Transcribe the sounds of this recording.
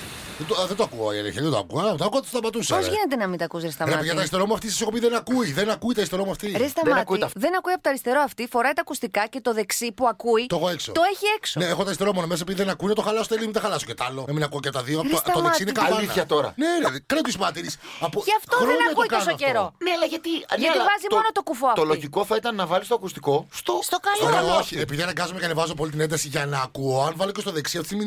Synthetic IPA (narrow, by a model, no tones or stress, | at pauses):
ðet̪oðed̪oɐkuɐ̰iḛlḛçɐt̪o̰kuɐɐmt̪oɐkuɐt̪sðɐmɐt̪usɐoʝinet̪enɐmit̪ɐkusɾest̪ɐɣɐʝɐt̪ɐɾist̪e̞ɾomuɐft̪isɐ̥soopiiðenɐkuiðenɐkuit̪ɐɾist̪ɾomuɐft̪iɾest̪ɐmɐtkuiðenɐkuiɐpot̪ɐɾist̪e̞ɾoɐft̪ifo̞ɾɐjt̪ɐkust̪ikɐce̞t̪o̞ðe̞ksipuɐkuit̪oexoe̞kso̰t̪oeçieksoneexot̪ɐɾist̪eɾomonomesɐepiðiðenɐkuinɐt̪o̞xɐlɐsot̪elimiexɐlɐsocet̪ɐlonɐminɐkuoceɐpot̪ɐðiop̪sɐmeɐssinekɐlɐiθnɐçɐt̪oɾɐ̰neðkɾɐt̪ismɐt̪iɾisɐpoceɐft̪oɾnɐkuik̪osoceɾo̞neɐlɐʝɐt̪iɐt̪vɐzimo̞not̪o̞kufoɐt̪oloʝiko̞θɐit̪ɐnːɐvɐlist̪oɐkust̪iko̞st̪ost̪okɐoɾeoçiepiðiɐnɐɡɐzomecɐnevɐzop̬o̞lit̪ine̞nd̪ɐsiʝɐnɐːkuoɐnvɐlocest̪oðe̞ksiɐft̪it̪imi